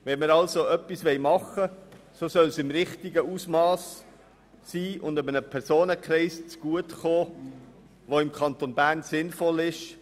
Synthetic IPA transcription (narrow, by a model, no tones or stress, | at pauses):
ʋɛnməɾɑlsoœpːisʋɛɪmɑχəsosœlsɪmɾɪχtiɡəusmɑːsː | iːʊndʏbənəpʰɛɾsoːnəkχɾɛɪst͡sɡ̥uətχoː | ʋoɪmkʰɑnt̪onbæːɾnsɪnfɔlɪʃ